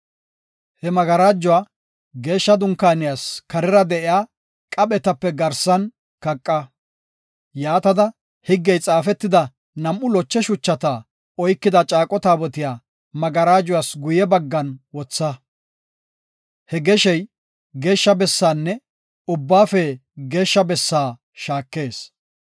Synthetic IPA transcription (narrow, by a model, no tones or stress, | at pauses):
hɛmɐɡɐɾaːd͡ʒːʊwaː | ɡe̞ːʃːɐd̪ʊŋkaːnɪjaːskɐɾɪɾɐd̪ɛʔɪjaː | kʼɐɓɛt̪ɐpːɛɡɐɾsɐn | kɐkʼːɐ | jaːt̪ɐd̪ɐ | hɪɡːɛjt͡sʼaːfɛt̪ːɪd̪ɐ | nɐmʔːʊlɔt͡ʃːɛʃʊt͡ʃːɐt̪a | ɔjkːɪd̪ɐt͡ʃʼaːkʼɔt̪aːbɔt̪ɪjaː | mɐɡɐɾaːd͡ʒʊwaːsɡʊjɛbɐɡːɐnwɔt͡sːɐ | hɛɡɛʃɛj | ɡe̞ːʃːɐbɛsːaːnːɛ | ʊbːaːfɛɡe̞ːʃːɐbɛsːaː | ʃaːkːe̞ːs